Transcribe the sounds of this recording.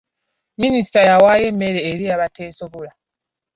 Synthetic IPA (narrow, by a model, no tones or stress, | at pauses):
minisi̥tajawaje̞me̞ɾe̞ːɾiaβatʰe̞ːsoβula